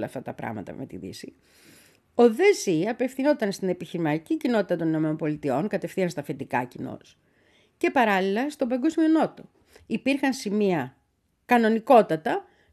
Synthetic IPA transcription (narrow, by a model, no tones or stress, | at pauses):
lɐ̰ft̪ɐt̪ɐpɾɐ̰ɣmɐ̰t̪ɐ̰me̞̰t̪ḭðḭsi | o̞ðeziɐpe̞fθino̞t̪ɐnst̪ine̞piçiɾimɐt̪icicino̞t̪i̥t̪ɐt̪o̞nino̞me̞no̞mpo̞lit̪io̞ŋkɐt̪e̞fθiɐnst̪ɐfet̪ikɐ̰cino̞̰s | ce̞pɐɾɐlilɐst̪obɐŋɡo̞zmio̞no̞t̪o̞ | ipiɾxɐnsimiɐ | kɐno̞niko̞t̪ɐt̪ɐ